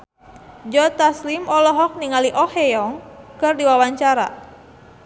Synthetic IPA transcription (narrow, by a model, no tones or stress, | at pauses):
d͡ʒɔt̪aslimɔlɔɦɔk̚niŋaliʔɔhejɔŋkɨrdiwawaɲt͡ʃaɾa̰